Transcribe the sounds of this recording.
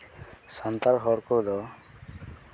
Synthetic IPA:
sant̪aɾɦɔɾkɔd̪ɔ

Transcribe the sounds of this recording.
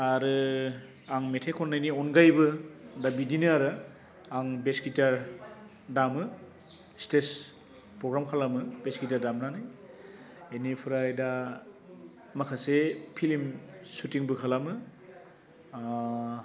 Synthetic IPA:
aɾɯ | aŋmetʰekʰɔnːajniɔnɡajbɯdabidinɯaɾɯ | aŋbeskitaɾ | damɯ | stes | pɾɔɡɾamkʰalamɯbeskitaɾdamnanaj | enipʰɯɾajda | makʰasepʰilimsutiŋbɯkʰalamɯ

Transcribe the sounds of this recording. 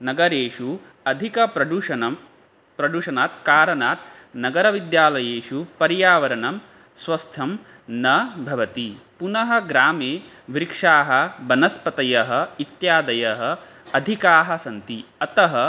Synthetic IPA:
nɐɡɐɾeːʂu | ɐd̪ʱikɐpɾɐɖuɐɐm | pɾɐɖuʂɐnaːt̪kaːɾɐnaːt̪̚ | nɐɡɐɾɐʋid̪jaːlɐjeːʂupɐɾjaːʋɐɾɐnɐm | sʋɐst̪ʰɐm | nɐbʱɐʋɐt̪ipunɐɦɐ̆ɡɾaːmeː | ʋɾikʂaːɦɐbɐnɐspɐt̪ɐjɐɦɐ̆it̪jaːd̪ɐjɐɦɐ | ɐd̪ʱikaːɦɐsɐnt̪iɐt̪ɐɦɐ

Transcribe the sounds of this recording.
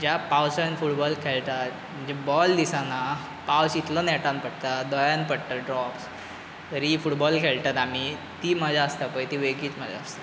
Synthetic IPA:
d͡ʑapawsənfuʈbɔlkʰeɭt̪at̪ | m̤əd͡ʑebɔld̪isana | pawsit̪lənɛʈãnpəɽt̪ad̪ɔjãnpəɽt̪aɖɾɔps | t̪əɾifuʈbɔlkʰeɭt̪at̪am̤it̪iːməd͡zʱaəst̪apəjt̪iʋeɡiːt͡sm̤əd͡zʱa̰əst̪ḁ

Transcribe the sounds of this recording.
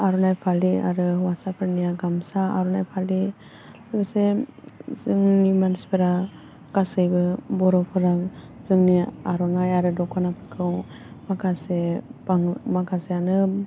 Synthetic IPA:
aɾɔnajpʰalia̰ɾɯwasapʰɯɾnijaɡamsaa̰ɾɔnajpʰali | lɯɡɯsɛ | zɯŋnimanspeɾa | kasɯjbɯbɔɾɔkʰɯɾaŋ | zɯŋnijaaɾɔnajaɾɯdɔkʰɔnapʰɯkʰɯw | makʰasebaŋmakʰasɛanɯp̚

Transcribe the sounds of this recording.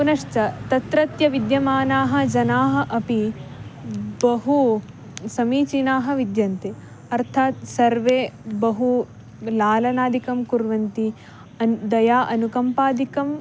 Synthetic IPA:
kunɐʂt͡ʃɐt̪ɐt̪ɾɐt̪jɐʋid̪jɐmaːnaːɦɐ̆d͡ʒɐnaːɦɐ̆ʔɐpi | bɐɦu | sɐmiːt͡ʃinaːɦɐ̆ʋid̪jɐnt̪e | ɐɾt̪ʰaːt̪sɐɾʋeːbɐɦu | laːlɐnaːd̪ikɐmkuɾʋɐnt̪i | ɐd̪ɐjaːʔɐnukɐmpaːd̪ikɐm

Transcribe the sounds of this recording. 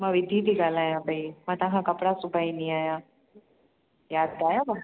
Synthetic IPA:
mãʋɪd̪ʱiːd̪ʱiɡaːlaːjãbʱɐimãːt̪ɐɦãkɐpɽasʊbʱaːinĩaːjãː | jaːd̪aːjaba

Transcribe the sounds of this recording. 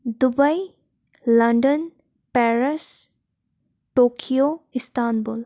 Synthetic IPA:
d̪ubɐj | lɐɳɖən | pɛɾɐs | ʈokʰijoistʰanbul

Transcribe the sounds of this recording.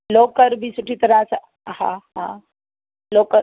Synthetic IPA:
loːkəɾbʱisʊʈʰit̪ɐɾãsa | hã̰ɦã | loːkəɾ

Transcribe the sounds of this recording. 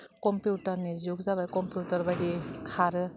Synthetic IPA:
kompjutɐɾnizuk̚zaβajkompjutɐɾbajɡikʰaɾɯ

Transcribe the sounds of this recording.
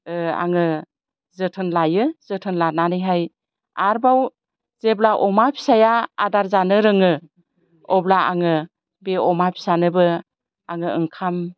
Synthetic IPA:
a̰ŋɯ | zɯtʰɯnlajɯzɯtʰɯnlananɯjɦaj | aɾbaw | zeblaʔɔmapʰi̥saja̰ːdaɾzanɯɾɯŋɯ | ɔblaa̰ŋɯ | beɔmapʰi̥sanɯbɯ | aŋɯɯŋkʰam

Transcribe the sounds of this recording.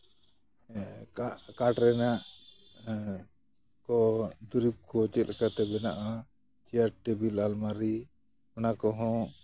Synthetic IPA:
ʔkaʈɾɛnaʔ | kɔd̪uɾip̚kʰɔt͡ʃɛt̪̚ɾɛkat̪ɛbɛnaʔa | t͡ʃijaʈ̚ʈɛbilalmaɾi | ɔnakɔɦɔ̃

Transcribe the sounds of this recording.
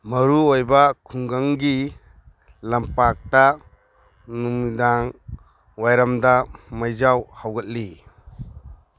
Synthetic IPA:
mɐɾuojbakʰuŋɡaŋɡi | lɐmpak̚ta | numidaŋ | wajɾamdamajzawhawɡət̚li

